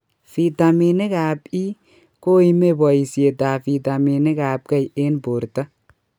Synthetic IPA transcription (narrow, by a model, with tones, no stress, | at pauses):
fi˨t̪a˨mine˦kaː˨bi˦ | ko˦i˦me˦bɔ˨i˨si˨e˨d̪aː˨fi˨t̪a˨mi˨ne˦kaː˨b̚kɐ˦je˦nbo˨ɾt̪ɐ˦